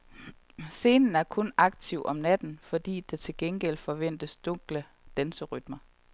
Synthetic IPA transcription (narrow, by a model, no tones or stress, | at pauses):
se̝ːnn̩æɐkʰɔ̽nɑ̈ɡ̥̚t͡sʰiʊʔɒ̽mnæd̥n̩fɒ̽d̥ḭːd̥et͡sʰe̝lɡ̥enɡ̥el̰fɒ̽ʋen̰d̥əsd̥ɔ̽ŋ̰ɡ̥lə | d̥ænsəʁyd̥mɐ